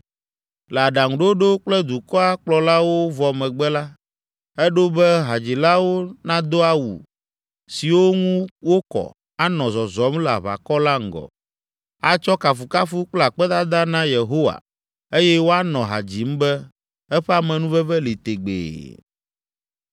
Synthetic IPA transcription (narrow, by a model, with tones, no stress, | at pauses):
lɛ˨a˨ɖa˨ŋũ˨ɖe˦wɖe˦wo˦k͡plɛ˦d̪u˨kɔ˦a˦k͡plɔ˨la˦wo˦vɔ˨mɛ̃˨ɡ͡bɛ˦la˦ | ɛ˦ɖo˦bɛ˦ɦa˨d͡ʑi˨la˦wo˦nã˦d̪o˦a˦wṵ˨ | si˨wo˦ŋũ˦wo˦kɔ̰˨ | a˦nɔ̃˨zɔ˨zɔ˨˦m˦la̰˨βa̰˨kɔ˦la˦ŋ̩˨ɡɔ̰˨ | a˦t͡ʃɔ˦ka˨fu˨ka˦fu˦k͡plɛ˦a˨k͡pɛ˦d̪a˦d̪a˦nã˦je˨ɦo˦wa̰˨ | e˦jɛ˦wo˦a˦nɔ̃˨ɦa̰˨d͡ʑi˨m̩˦bɛ˦ | ɛ˦ɸɛ˦a˨mɛ̃˨nũ˦vɛ˦vɛ˦li˨t̪e˨ɡ͡bḛː˨